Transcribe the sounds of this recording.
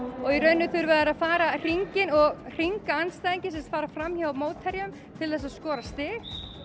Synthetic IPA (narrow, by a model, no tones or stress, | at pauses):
ɔɣiɾœɥnːʏθʏɾvɛðaɾaðfaːɾar̥iŋcɪnɔɣr̥iŋkaanːst̪ajðiɲcɪsɛmst̪faːɾafɾamːhjavamoːwt̪ʰːɛɾjʏm | t̪ʰɪlθɛsaðskɔːɾast̪ɪːɣ